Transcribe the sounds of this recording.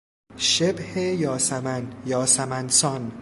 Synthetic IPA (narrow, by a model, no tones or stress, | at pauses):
ʃebhejɒːsæmænjɒːsæmænsɒn